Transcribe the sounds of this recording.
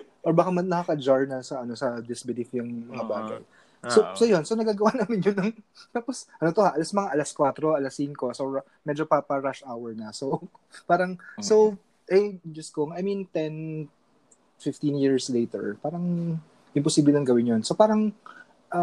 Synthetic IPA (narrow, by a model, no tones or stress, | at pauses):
ʔoɹbɐkamɐnɐkɐkɐd͡ʒaɹnɐsɐʔɐno̞sɐd̪ɪsbɪd̪ɪfjʊŋmɐŋabaːɡɐ̰j | sosojonsonɐɡaːɡɐwanaːmɪnjonːɐŋt̪aːposʔɐnot̪ohaʔɐlasmɐŋaʔɐlɐskwat̪ɾo̞ʔɐlɐsiŋko̞so | mɛd͡ʒopapɐɹaʃawɛɹnɐso | paːɾɐŋso̞w | ʔɛjd͡ʒɐskoŋɐjmint̪ɛn | fɪft̪injiɹslejt̪ɛ̰ɹpaːɾɐŋ | ʔɪmposiːblɛnoŋɡɐwɪnjonsopaːɾɐŋ | ʔɐ